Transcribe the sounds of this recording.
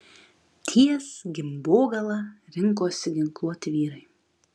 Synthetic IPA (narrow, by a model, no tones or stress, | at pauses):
t̪ʲʰiɛsɡʲɪmboːɡɐlˠɐɾʲɪŋˑkoːsʲɪɡʲɪŋklˠuɔt̪ʲɪʋʲiːɾɐɪ